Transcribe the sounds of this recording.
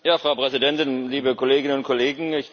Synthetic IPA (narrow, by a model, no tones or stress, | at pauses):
jaːfʁ̥aʊpʁ̥ɛzidɛntɪnliːbəkʰoleːɡɪnənʊntkʰɔleːɡŋ̩ɪç